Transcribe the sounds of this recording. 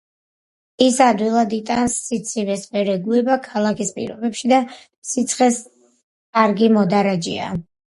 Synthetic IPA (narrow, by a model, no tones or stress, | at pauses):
isad̪wilˠad̪it̪ʼansːit̪sʰivɛsmɛɾɛɡuɛbakʰalˠakʰispʼḭɾɔbɛpʃid̪a | sit̪sʰχɛs | kʼaɾɡimɔd̪aɾad͡ʒḭa̰